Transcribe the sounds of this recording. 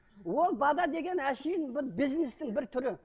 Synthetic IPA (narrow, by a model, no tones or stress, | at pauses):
wo̞lˠbɑd̪ɑd̪e̞ɡʲe̞næʃejɪnbɪbiznɪst̪ɪŋbɪɾt̪ʰʏɾɪ